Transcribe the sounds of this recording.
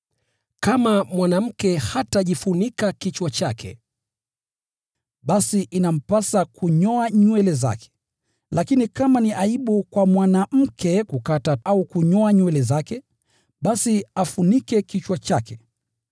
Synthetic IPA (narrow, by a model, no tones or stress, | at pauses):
kamamwanam̩kɛhataʄifunikakit͡ʃwat͡ʃakʰɛ̰ | ɓasiʔinam̩pasakuɲɔaɲwɛlɛza̰kɛ̥ | lakinikamaniʔaiɓukwamwanam̩kʰɛkukataaukuɲɔaɲwɛlɛzakɛ | ɓasiafunikɛkit͡ʃwat͡ʃakɛ